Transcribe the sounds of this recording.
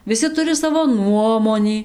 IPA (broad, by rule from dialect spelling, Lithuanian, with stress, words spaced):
ʋʲɪˈsʲɪ ˈtʊrʲɪ ˈsɑːʋoː ˈnuɔmoːnʲiː